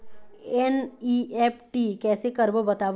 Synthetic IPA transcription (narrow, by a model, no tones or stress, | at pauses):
ɛniɛpʰʈikɛːsekɐɾbəbɐt̪aːʋ